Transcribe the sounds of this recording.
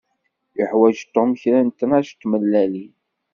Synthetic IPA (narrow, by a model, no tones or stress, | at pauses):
əħwæʒt̪ːomçɾænt̪ənæʃt̪ːməlːæli